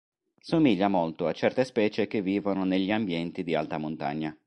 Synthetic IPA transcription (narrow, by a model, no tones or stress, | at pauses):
somiʎːamolt̪oat͡ʃɛrt̪espɛːt͡ʃek̟evːiːvononeʎːiambjɛnt̪id̪ia̰lt̪amont̪a̰ɲːa